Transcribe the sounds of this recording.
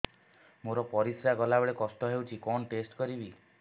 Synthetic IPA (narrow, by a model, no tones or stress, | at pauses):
moɾɔpɔɾisɾaɡɔlabɔɭekɔsʈɔɦewt͡ʃʰikɔnʈesʈkɔɾibi